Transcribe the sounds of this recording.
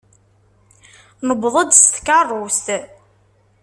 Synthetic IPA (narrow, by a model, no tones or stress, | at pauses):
nəbðˤəd̪st̪kɑrˤːʊst̪